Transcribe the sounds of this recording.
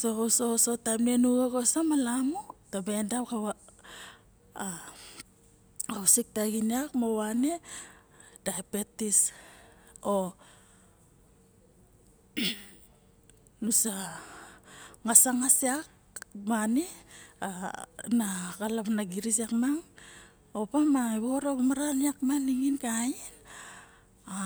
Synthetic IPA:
sososotajmnenuɡakosamalamotabendawkaβa | ausik̚taɡiniakmowane | daapetis | o | nusa | ŋasaŋasiak̚ | maneanakalamnaɡiɾis̬akmaŋ | opamaiβoɾaβamaɾaniakmaniŋinkain | a

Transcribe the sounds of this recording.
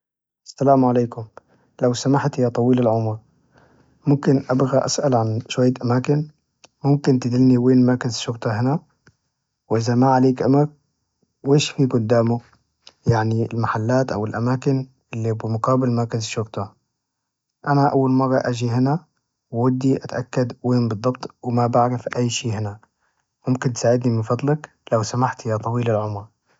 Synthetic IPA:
ʔasːalaːmʕaleːkʊm | lawsamaħt̪jat̪ˤɑwiːlɪlʕʊmɾ | mʊmkɪnʔabɣaʔa̰sʔalʕanʃwajːaʔamaːkɪn | mʊmkɪnt̪ɪd̪ɪlniweːnmakazʃʊɣt̪ˤɑɦɪna | wʔɪzamaʕaleːkʔamaɾ | weːʃfiːɡʊd̪ːaːmʊ | jaʕniɪlmaħalːaːt̪ʔa̰wɪlʔamaːkɪn | ʔɪlːibɪmʊqaːbɪlmɑɾˤkazʃʊɾt̪ɑ | ʔanaʔawːalmɑrˤːɑʔad͡ʒiɦɪna | wːʊd̪ːiʔat̪ʔakːad̪weːnbɨd̪ˤːɑbt̪ˤwmabaʕɾɪfʔajːʃiːhɪna | mʊmkɪnt̪saːʕɪd̪nimɪnfɑd̪ˤlɑk | lawsamaħt̪jat̪ˤɑwiːlalʕʊmɾ

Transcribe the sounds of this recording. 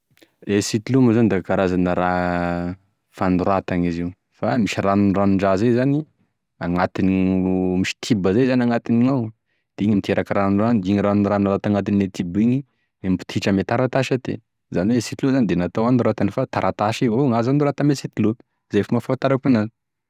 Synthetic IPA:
esit̪ilumazand̪akaɾazanəɾa | fanuɾat̪aŋiziw | famiʃiranunranuɳɖ͡ʐazejzani | aŋat̪inmiʃi̥t̪ʰibəzajzanaŋat̪iniŋaw | d̪̥eiɲamit̪ʰeɾʔakaɾanuraniŋiɾanunɾanalat̪aŋat̪iniet̪ʰibiɲi | embu̥t̪ʰiʈ͡ʂəmet̪aɾat̪aʃat̪ḛ | zaniweesit̪iluzanid̪enat̪awanuɾat̪anifat̪aɾat̪aʃiɦoŋazanuɾat̪amesit̪ilu | zajfamafat̪aɾakunan

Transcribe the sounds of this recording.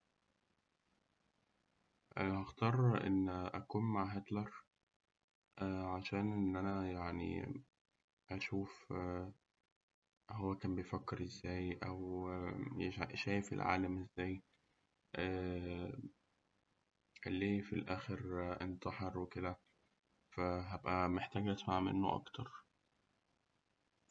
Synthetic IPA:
ʔhæxt̪ˤɑːɾˤʔḛnːʔækuːnmaʕɦet̪lɑɾˤ | ʔæːʕaʃæːnʔenːʔænæjaʕnḭ | ʔæʃuːf | ɦowːækæːmbejfækːeɾʔezːæːjʔæw | ʃæːjefḛlʕa̰ːlæmʔezːæːj | ʔæː | ʔelːiːfilʔæːxeɾʔent̪ɑħeɾweked̪æ | fæɦæbʔæmeħt̪æːɡæt̪maʕmḛnːo̰ʔɑ̰kt̪ɑɾˤ

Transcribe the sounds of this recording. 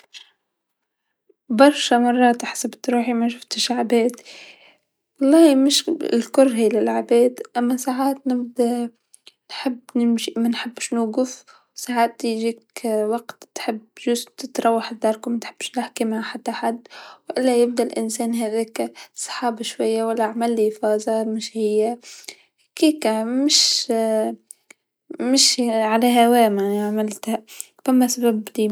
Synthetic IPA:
bɑɾˤʃamɑrˤːɑːt̪ħḁsabt̪ɾuːħimaʃ̬ʊft̪ɪʃʕabeːt̪ | wɑlˤːɑːhimɪʃɪlkʊrˤːɦiːlɪlʕabeːd̪ʔamːasaːʕaːt̪nɪb̚d̪a | nħɪbːnɪmʃimanħɪbːʃnuːɡʊf | saːʕaːt̪ːiʒiːkwaɡt̪t̪ħɪbʒʊzt̪ɪt̪ɾˤɑwːaħɪd̪ːɑɾˤkmat̪ħɪbːʃnɪħkimhaħat̪ːaħad̪ːwʔɪlːajɪb̚d̪alʔɪnsæːnɦæðeːksˤħɑːbaʃwajːawalːaʕamalːifɑːzamɪʃhɪjːa | hkiːkmɪʃ | mɪʃʕalahawæːmaʕniʕamalt̪ha | famːasababt̪i

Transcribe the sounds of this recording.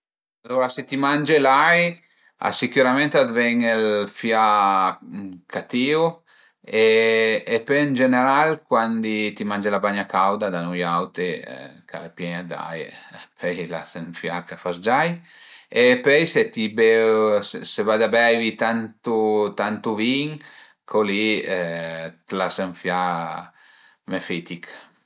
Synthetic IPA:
alːoɾaset̪imand͡ʒelaj | a̰sikuɾament̪ad̪vɛŋelfja | kʰat̪iu | eː | pɛənd͡ʒeneɾalkwand̪it̪imand͡ʒelabaɲakawd̪ad̪anujawt̪ḛkʰa̰lepjɛɲad̪a̰jpʰɛjla̰seɱfjakafasd͡ʒajepɛjset̪ibesesevad̪abɛjvit̪ant̪ut̪ant̪uviŋ | kʰoli | t̪laseɱfja | mefit̪ik

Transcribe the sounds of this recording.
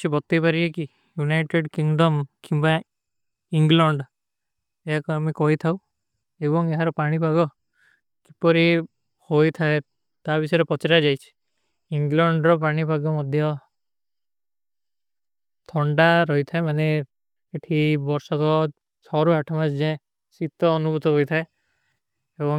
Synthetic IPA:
t͡ʃʰibɔt̪ːipaɾieki | junajʈeɖkiŋɖɔmkimba | iŋɡlɔɳɖ | eɦakɔmikɔɦit̪ʰaw | ebɔŋeɦaɾɔpaɽ̃ipaɡɔ | ki̥pɔɾi | hojt̪ʰae | t̪abisɔɾepɔt͡ʃɾad͡ʒajt͡ʃʰi̥ | iŋɡlɔɳɖɾɔpaɽ̃ipaɡɔmɔd̪ʱjɔ | t̪ʰɔɳɖaɾɔɦit̪ʰaemane | eʈʰibɔɾsɔkɔ | t͡ʃʰɔɾuaʈʰɔmat͡ʃd͡ʒaẽ | sit̪ɔːnubʱut̪ɔɦojt̪ʰae | ebɔŋ

